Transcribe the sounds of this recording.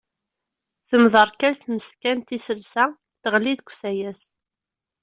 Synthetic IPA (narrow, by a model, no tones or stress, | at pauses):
θəmðˤəɾˤkæɾθməskænt̪isəlsæ | t̪əʁliðɡʷsæjæs